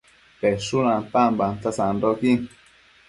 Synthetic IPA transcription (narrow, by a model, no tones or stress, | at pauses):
pɛsunãpambant̪asandoki